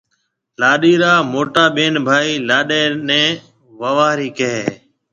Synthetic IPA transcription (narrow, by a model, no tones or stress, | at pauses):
laːɗiːɾaːmoːʈaːɓeːnbʱaːiːlaːɗeːnɛ̃ː | ʋəʋaːɾiːkəɦeː